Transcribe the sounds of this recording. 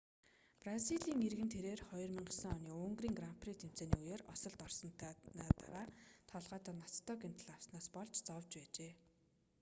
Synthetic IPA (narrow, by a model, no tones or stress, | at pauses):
praziɮiːŋerɣɘ̆nt̪ʰeɾeːrχɔjɞ̆rmiɴɢ̆ɮsə̆ŋɔniːɵŋɡriːŋɡramprit̪ʰem̥t͡seːniːujeːrɔsɞ̆ɮt̪ɔrsɞ̆n̥t̪ʰːnaːt̪a̰ɾaːt̪ʰɔɮʁœːt̪ə̆nast̪ʰːɔːken̥t̪ʰə̆ɮaw̥snaːspɔɮt͡ɕt͡sɔwt͡ɕpæːt͡ɕeː